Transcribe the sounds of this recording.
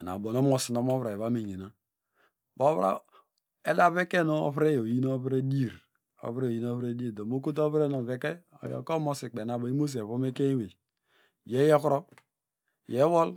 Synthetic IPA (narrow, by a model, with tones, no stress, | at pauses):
na̰˨bo˨no˦mo˨si˨no˦m˦o˦βɾa˨e˨βa˦me˨ɲe˨na˨ | bo˦βa̰˦ | e˦da˨˦βe˦ke˦no̰˨βɾe˦jo˨ji˦no˦ɾe˦di˦˨ɾ | o̰˨βɾe˦o˨ji˦no˦βɾe˦di˦e˨do˨mo˦k̬o˦t̬o˦βɾe˦no˨ve˨˦ke˦ | o̰˨jo̰˨ko˦mo˦si˨k͡pe˨na˨bo˨i˦mo˦s̬βo˦me˦ke˦we˨ | je˦je˦kɾo˦ | je˦wo˦l